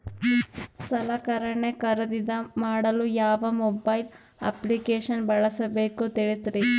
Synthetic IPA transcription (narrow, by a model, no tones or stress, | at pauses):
sɐlaːkɐɾɐɳekɐɾɐd̪id̪ɐmaːɽɐlujaːʋɐmobɐjl | ɐ̰plikeːʃɐnbɐɭɐsɐbeːkut̪iɭisɾi